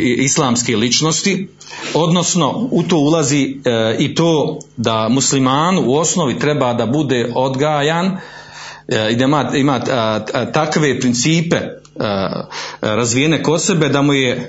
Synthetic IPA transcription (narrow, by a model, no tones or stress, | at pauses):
islˠaːmskelit͡ʃnost̪i | o̞d̪no̞sno̞ut̪oːulaziːit̪oːd̪amuslimaːnuuo̞snoʋit̪ɾe̞baːd̪abud̪eo̞d̪ɡaːjaːn | id̪aimaːimaːt̪akʋe̞pɾint̪siːpe | ɾazʋijene̞ko̞d̪se̞be̞d̪amuje̞